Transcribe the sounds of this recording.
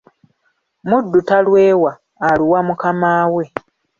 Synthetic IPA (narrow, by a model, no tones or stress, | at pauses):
mudːutalwe̞ːwaː | liwamukamaːwe̞